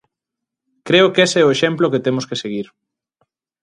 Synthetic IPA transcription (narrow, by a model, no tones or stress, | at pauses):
kɾeʊkesɛoeʃɛmploket̪emʊskeseɣiɾ